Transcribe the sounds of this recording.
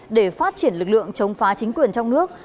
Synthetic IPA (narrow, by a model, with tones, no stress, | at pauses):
ɗe˧˩faː˦˥t̚t͡ɕi˧˩ənlɨ˨˩k̚lɨ̰˧˨əŋt͡ɕə˨˦wŋ͡mfaː˨˦t͡ɕï˨˦ŋ̟kwi˨˩ənt͡ɕɔ˧wŋ͡mnɨ˦˥ək̚